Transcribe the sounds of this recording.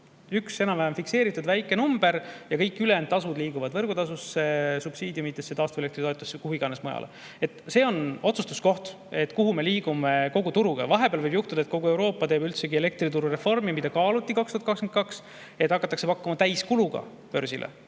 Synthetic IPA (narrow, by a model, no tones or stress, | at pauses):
ykse̞nɑmvæɦemfikse̞ːɾit̪ːˑud̪væjkːˑe̞numb̥e̞ɾjɑkɤjkːˑylenɑsud̪liːɡuvɑd̪vɤrɡ̥ut̪ɑsusːe̞sub̥siːd̪ʲjumit̪ːˑesːet̪ɑːst̪vuelek̚t̪rit̪oet̪ːˑusːekuhuiɡ̥ɑne̞smojɑ̰lʔ | e̞t̪ˑse̞ːo̞no̞t̪sust̪u̥sko̞ht̪ | e̞t̪ːˑkuɦume̞liːɡume̞ko̞ɡ̥ut̪uɾuɡ̥ɑ̰vɑɦe̞beɑlvɤjbjuht̪ud̪ɑet̪ko̞ɡuewɾo̞ːpˑːɑt̪e̞ːbylt̪se̞ɡie̞le̞k̚t̪rit̪uɾure̞fo̞rmimid̪̥ɑkɑːlut̪ˑːikɑkst̪uɑt̪kɑkskenkɑks | e̞t̪ːˑɑkːˑɑt̪ːˑɑkse̞pɑkːˑumɑt̪æjskuluɡ̥ɑ̰ | pø̞ɾsilʔḛ